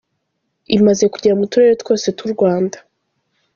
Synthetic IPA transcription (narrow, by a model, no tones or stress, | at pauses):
imaze̞kuɟaɾaumutuɾeɾotwo̞ːse̞tuɾɡwaːndḁ